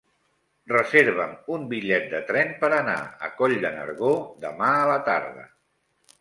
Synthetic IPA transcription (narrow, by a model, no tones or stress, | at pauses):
rəzeɾβəmumbiʎɛt̪̚d̪ət̪ɾɛmpəɾəna̰ə̰kɔʎd̪ənə̰ɾɣod̪əmaələt̪aɾðə̰